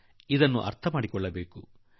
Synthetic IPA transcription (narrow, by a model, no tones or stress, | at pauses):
id̪ɐnːṵʔɐ̰ɾt̪ʰɐmaːɽikɔɭːɐbe̞ːku